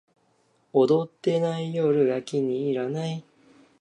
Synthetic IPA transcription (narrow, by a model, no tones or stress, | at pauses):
o̞d̪o̞t̪ːe̞naijoːɾɯ̟jakʲiɲ̟iːɾanai